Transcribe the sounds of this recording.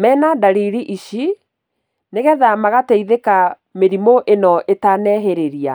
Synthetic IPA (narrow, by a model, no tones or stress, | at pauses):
mɛnadaɾiɾiʔiʃi | neɣɛðamaɣatɛiðeka | meɾimoʔenɔʔetanɛɦeɾeɾia